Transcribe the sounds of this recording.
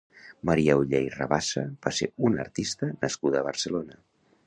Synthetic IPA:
məɾiɛuʎejrə̰βasəb̥aseunə̰ɾt̪ist̪ənəskuðəːβərsəlonə

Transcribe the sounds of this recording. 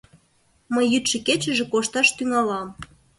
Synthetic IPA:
məjːyt̪ʃĕket͡ɕə̆ʒĕkoʃt̪ɑʃt̪yŋɑlɑm

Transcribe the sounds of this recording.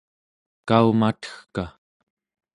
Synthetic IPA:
kaumat̪ə̥xka

